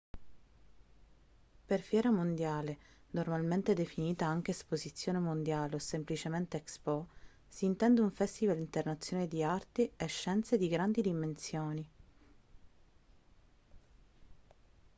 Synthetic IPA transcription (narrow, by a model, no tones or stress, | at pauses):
perfjɛːɾamond̪jaːle | normalment̪ed̪efiniːt̪aaŋk̟eːspozit̪sːjoːnemond̪jaːleosemplit͡ʃement̪eːkspɔ | siːnt̪ɛnd̪euɱfɛst̪ivalint̪ernat̪sjoːned̪iart̪eeʃːɛnt̪sed̪iɡɾand̪id̪imensjoːni